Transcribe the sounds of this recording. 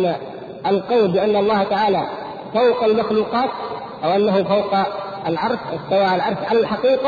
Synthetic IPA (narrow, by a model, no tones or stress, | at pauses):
na | ʔalqɑwlbɪʔanːɑlˤːɑːht̪aʕaːla | fawqalmaxluːqɑːt̪̚ | ʔawʔanːaɦʊfawq | alʕɑɾˤʃsawaːʔalʕɑɾˤsʕalalħɑqiːqa